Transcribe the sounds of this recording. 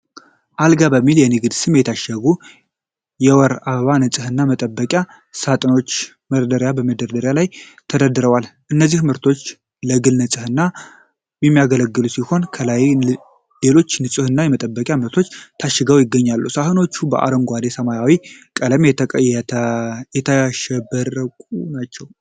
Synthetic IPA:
ʔalɡabəmːiljɛnɨɡɨd̪sɨmjɛt̪ʰaʃəɡu | jɛwɔɾaββanɨsʼɨhɨnːamət̪ʼəbːəkʼa | sat̪ʼɨno̞t͡ʃː | məɾd̪əɾjabəməd̪əɾd̪əɾjalajt̪ʰəd̪əd̪ɨɾəwalʔɨnːəzːihmɨɾt̪ʰo̞t͡ʃː | ləɡɨlnɨsʼɨhɨnːa | jɛmːijaɡələɡːɨlusiho̞nkʰəlaj | le̞lo̞t͡ʃːnɨsʼɨhɨnːajɛmət̪ʼəbːəkʼjamɨɾt̪ʰo̞t͡ʃːt̪ʰaʃːɪɡəwjɪɡːəɲːalːusahɨno̞t͡ʃːubə̰ʔa̰ɾəŋɡʷad̪e̞səmajawikʼələmjɛt̪ʰəkʼəjɛt̪ʰəjɛt̪ʰajaʃɛbərəkʼunat͡ʃːɛw

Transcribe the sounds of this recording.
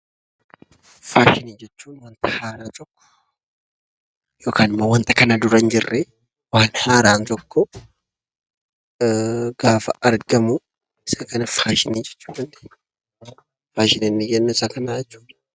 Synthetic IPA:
faːʃɪniːd͡ʒɛt͡ʃːuːnwɐnt̪ɐ̥haːɾaːt̪ʼɔkːɔ̥ | jo̞ːkʰaːnɪmːɐwɐnt̪ɐkɐnad̪ʊɾɐnd͡ʒɪrːe | waːnhaːɾaːnt̪ɔkːɔ | ɡ̥aːfɐɐɾɡɐmʊ | ɪsɐkɐnɐfaːʃɪniːd͡ʒɛt͡ʃːuːd̪ɐnd̪e̥ɲ | faːʃɪnɪnːɪɡɛnːɛɪsɐkɐnaːd͡ʒɛt͡ʃːuːᶑ̪ɐ

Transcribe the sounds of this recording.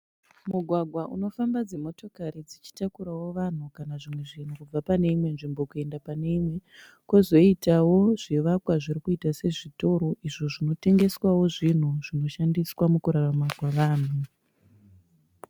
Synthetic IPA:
muɡʱwaɡʱwaʔṵno̞fambad͡zemo̞to̞kaɾid͡zit͡ʃi̥takuɾawo̞ʋan̤ukanaʐimwe̞ʐin̤ukub͡vapane̞imwe̞nʐimbo̞kue̞ndapane̞imwe̞ | kozo̞itawo̞ʐiʋakwaʐiɾikuitase̞ʐito̞ɾo̞ʔiʐoʐino̞te̞ŋɡe̞swawo̞ʐin̤uʐ̥ino̞ʃandiswamukuɾaramakwaʋaːn̤u

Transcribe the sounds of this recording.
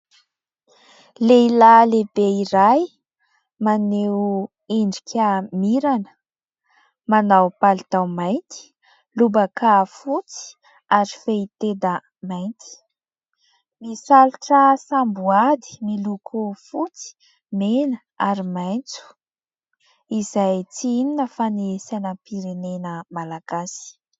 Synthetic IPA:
leilalebeiɾaj | mane | iɳɖ͡ʐi̥kʲʰamiɾanə̥ | manawpalit̪awmajnt̪i̥ | lubakafut͡si̥ | aɾifeit̪ed̪ə | majnt̪ʰi̥ | misaluʈ͡ʂasambuad̪i̥milukʰufut͡si̥ | menə | aɾimajnt͡su̥ | izajt͡sininəfaniesanəpiɾenenəmalaɡ̥asi̥

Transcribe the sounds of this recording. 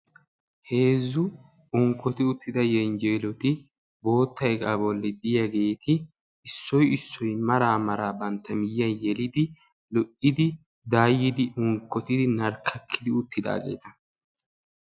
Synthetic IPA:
he̞ːzːʊ | ʊŋkːɔt̪ɪʊt̪ːɪd̪ɐjɛnd͡ʒɛjlɔt̪ɪ | bo̞ːt̪ːɐjkʼabɔlːɪd̪ɪjɐɡe̞ːt̪ɪː | sːɔjɪsːɔjmɐɾaːmɐɾaːbɐnt̪ːɐmɪjːɐnjɛlɪd̪ɪ | lɔʔɪd̪ɪ | d̪aːjːɪd̪ɪʔʊŋkːɔt̪ɪd̪ɪnɐɾkʰːɐkʰːɪd̪ɪʊt̪ːɪd̪a̰ːɡe̞̰ːt̪ɐ

